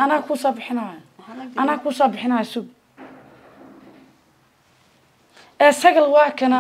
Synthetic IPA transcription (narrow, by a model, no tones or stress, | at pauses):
ɐnɐːkʰuːsɔːbɪħɪnɐ | ɐnaːkʰuːsɔːbɪħɪnajsʊɡ | ɛːsɐɣɐlwɑːkʰɐnɐ